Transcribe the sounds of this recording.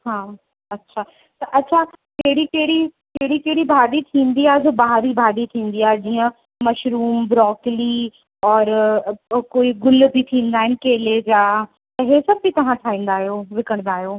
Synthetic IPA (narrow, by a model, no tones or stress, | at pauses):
ɦaː | ɐtːʃʰaː | t̪ɐʔɐtːʃʰakeɦɽikeɦɽikeɦɽikeːɽibʱaːd̪it̪ʰĩːnd̪iaːzobaɦaɾibʱaːɖ̪it̪ʰĩːnd̪iaːd͡ʑiːə̃ | mɐʃɾuːmbɾɔːkli | ɔːɾ | koːiɡʊlbʱit̪ʰĩːn̆d̪aːɦɪnɪ̆keːled͡ʑaː | t̪ɐɦesɐbbit̪ɐʋ̤ãʈʰaːĩːnd̪aːɦijoːʋɪkəɽ̃d̪aːɦjoː